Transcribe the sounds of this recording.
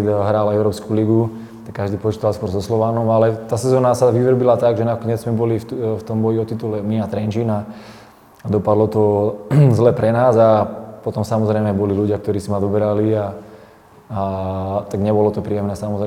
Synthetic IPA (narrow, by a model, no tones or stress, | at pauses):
ɦɾaːlɛʊɾɔːpskuliɡu | t̪akːaʒd̪iːpɔt͡ʃit̪alskpwɔɾzɔslɔʋaːnɔmalɛt̪aːsɛzɔːnasaʋiʋr̩bilat̪aɡʒɛnakɔɲɛd͡zzmɛbɔlift̪ɔmbɔjiɔt̪it̪ulɛmiat̪ɾɛnt͡ʃina | ad̪ɔpad̪lɔt̪ɔzlɛːpɾɛnaːzapɔt̪ɔmsamɔzɾɛjmɛbɔliluɟɪak̚t̪ɔɾiːsimad̪ɔbɛɾalia | t̪aɡɲɛbɔlɔt̪ɔpɾiːjɛmnɛːsamɔzɾɛ